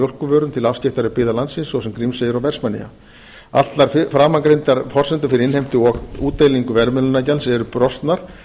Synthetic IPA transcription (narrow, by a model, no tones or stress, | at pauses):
ɔr̥kʏvœːɾʏmt̪ʰɪlafscɪhft̪aɾɪpɪːðalant̪sɪnsːvɔsɛmkɾimseːjɪɾawvɛr̥smanḭa̰ | a̰l̥t̪laɾfɾaːmaŋkɾejnt̪aɾfɔr̥sɛnt̪ʏfɪɾɪɾɪnhejm̥t̪ɪɔuːt̪ːejliŋkʏvɛɾmɛlʏnacalsɛɾʏpɾɔst̪naɾ̥